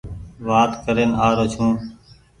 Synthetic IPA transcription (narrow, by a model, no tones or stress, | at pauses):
ʋaːt̪kəɾeːnaːɾoːt͡ʃʰũː